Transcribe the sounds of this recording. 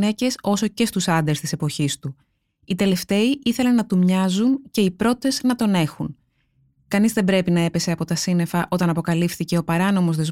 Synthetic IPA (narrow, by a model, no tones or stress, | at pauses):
ne̞ce̞so̞so̞ce̞st̪usɐnd̪est̪ise̞po̞çist̪u | it̪e̞le̞ft̪e̞iiθe̞le̞nɐt̪umɲɐzunce̞ipɾo̞t̪e̞znɐt̪o̞ne̞xun | kɐnizðe̞mbɾe̞pinɐe̞pe̞se̞ɐpo̞t̪ɐsine̞fɐʔo̞t̪ɐnɐpo̞kɐlifθice̞o̞pɐɾɐno̞mo̞zðe̞z